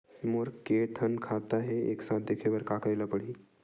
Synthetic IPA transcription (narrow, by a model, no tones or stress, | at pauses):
moɾkeʈʰənkʰat̪aɦeḛksãt̪̚d̪ekʰeʋəɾkakajlapəɽiː